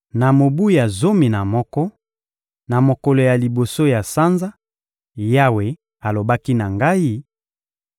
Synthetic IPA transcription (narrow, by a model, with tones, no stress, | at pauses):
na˨mo˨bu˦ja˨zo˦mi˨na˨mɔ˦kɔ˦ | na˨mo˨kɔ˨lɔ˨ja˨li˨bo˨so˦ja˨sa˦nza˦ | ja˦we˨ | a˨lo˨ba˦ki˦na˨ŋɡa˦i˦